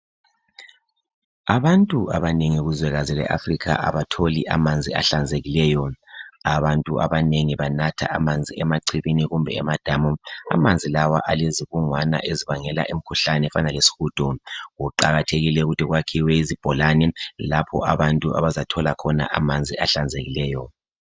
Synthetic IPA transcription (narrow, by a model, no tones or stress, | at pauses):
aβantʼuʔaβaneŋiɣuzwɛɣazilɛ̰ʔa̰frikʰa̰ʔa̰βatʰolḭʔamand͡zʱia̰ɬand͡zʱeɣilɛːjɔaβantʼṵʔa̰βaneŋiβanatʰa̰ʔamand͡zʱiɛmaǀʰiβiniɣumbʱɛ̰ɛ̰mad̥ʱamua̰mand͡zʱilawa̰ʔaleziβuŋwana̰ʔeziβaŋɛla̰ʔim̩kʰuɬanɛɛfanalesi̥xuːd̥ʱɔɣuǃaɣatʰeɣilɛuɣutʰiɣwakʰiwɛizib̥ʱɔlanɛlapʰɔ̰ʔaβantʼua̰βazatʰɔlakʰɔna̰ʔamand͡zʱia̰ɬand͡zʱeɣilɛːjɔ